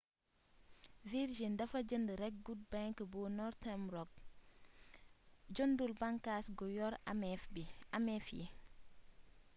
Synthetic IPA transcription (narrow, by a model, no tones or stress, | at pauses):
viɾʒindɐfɐd͡ʒəndəɾɛk̚ɡud̚baŋkəbɔnɔɾtɛmɾɔk̚ | d͡ʒondulbɐŋkasɡɔjɔɾbiamɛfjḭ